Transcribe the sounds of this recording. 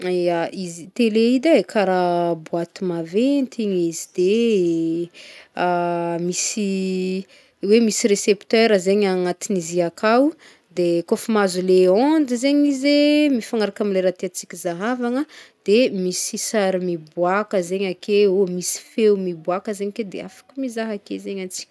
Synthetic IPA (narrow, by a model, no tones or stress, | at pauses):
aizit̪eleid̪aekʰaɾabuat̪imavent̪ʰiɲizid̪e | amisi | wemisiɾesept̪øɾəzeɲaŋat̪iniziakʰaw | d̪ekofimazuleond͡zizeɲizemifaŋaɾakamileɾat̪eat͡si̥kʲizaɦavaŋəd̪̥emisisaɾimibwakəzeɲakʰeomisi̥fewmibuakəzeɲiked̪ḛa̰fḁkʲumizaɦakḛzeɲant͡si̥kʲ